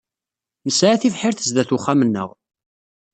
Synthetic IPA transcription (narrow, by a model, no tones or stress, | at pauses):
nəsʕaθifħɪɾθəzd̪æθuχæmənːə̰ʁ